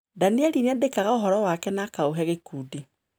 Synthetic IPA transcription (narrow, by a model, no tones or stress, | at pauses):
daniaɾineadekaɣaoɦɔɾɔwakɛnakaoɦɛɣekuːdi